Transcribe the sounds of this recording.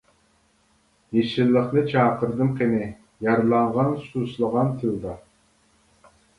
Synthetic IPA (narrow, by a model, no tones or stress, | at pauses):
jeʃilːəqnɨt͡ʃʰɑːqəɾd̪ɨmqenɪ | jɑɾlˠɑɴʁɑnsuslˠəʁɑnt̪ʰɨlˠd̪ɑ